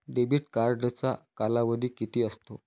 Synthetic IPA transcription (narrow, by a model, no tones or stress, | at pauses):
ɖebiːʈkaɾɖt͡sa̰kalaʋəd̪ʱiːkit̪iːəst̪o